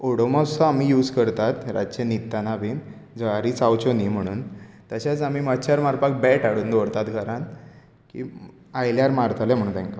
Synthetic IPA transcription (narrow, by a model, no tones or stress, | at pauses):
oɽomasɔamiːjuːd͡zkəɾt̪at̪ɾa̰d͡ʑt͡ɕenit̪ːanabin | d͡zəaɾiːt͡sawt͡ɕoniːm̤əɽ̃ṵːnt̪əɕat͡samiːmət̪ːɕʰjaɾmaɾpak̚bɛʈaɽuːnd̪oɽt̪at̪ɡaɾãn | kḭː | ajljaɾmaɾt̪ʰalɛ̃m̤ə̃uːnt̪ɛ̃ŋka